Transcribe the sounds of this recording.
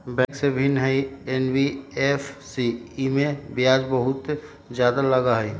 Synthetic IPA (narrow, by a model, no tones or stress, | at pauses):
bɛ̃ːksebʱɪnɦəienbiefʰsiimẽbjaːd͡ʒbəɦʊt̪ | d͡ʒjaːd̪aləɡaɦɛi